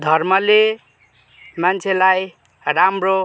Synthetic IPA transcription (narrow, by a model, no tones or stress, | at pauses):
d̪ʱʌrmʌle | mant͡sʰelaj | ɾamro